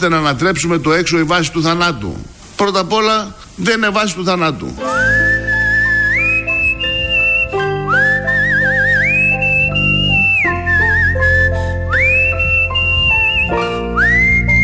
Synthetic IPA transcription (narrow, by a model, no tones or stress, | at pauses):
t̪e̞nɐːnɐt̪ɾe̞psume̞t̪o̞e̞kso̞ivɐsi̥t̪uθɐnɐt̪ṵ | pɾo̞t̪ɐpo̞lɐ | ðene̞vɐsi̥t̪uθɐnɐt̪ṵ